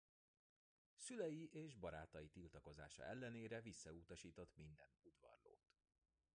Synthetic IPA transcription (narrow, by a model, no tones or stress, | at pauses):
sylɛjiʔeːʒbɒɾaːt̪ɒjit̪ilt̪ɒko̞za̰ːʃɒ̰ʔɛlːɛneːɾɛvisːɒut̪ɒʃiːt̪o̞t̪mind̪ɛnud̪ʋɒ̰rlo̰ːt̪